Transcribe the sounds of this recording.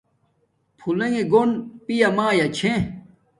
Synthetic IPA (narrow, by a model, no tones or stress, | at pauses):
pʰulẽŋeɡonpijamaːjat͡ɕʰẽ